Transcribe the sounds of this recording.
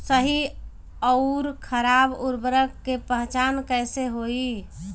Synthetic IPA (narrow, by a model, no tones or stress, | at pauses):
səɦi | ɔɾkʰəɾaːbʊɾbəɾəkːepəɦt͡ʃaːnkəːseɦoi